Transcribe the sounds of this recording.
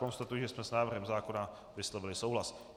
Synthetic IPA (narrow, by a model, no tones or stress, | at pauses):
ko̞nst̪at̪ujʒɛsmɛsnaːvɾr̩ɦɛmzaːko̞na | vɪslovɪlɪsowɦlas